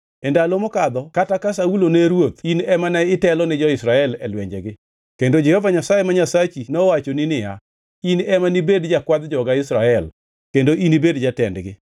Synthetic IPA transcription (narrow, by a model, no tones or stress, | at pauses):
ɛndalomɔkad̪ɔkatakas̬auloneɾwot̪inɛmanaɪtɛlɔnɪd͡ʒɔɪsɾaɛlɛlwɛɲd͡ʒɛɡɪ | kendod͡ʒɛhɔvaɲasajemaɲasat͡ʃinɔwat͡ʃonɪnɪja | inɛmanibedd͡ʒakwad̪d͡ʒɔɡaɪsɾaɛl | kendoʔinibedd͡ʒatɛndɡɪ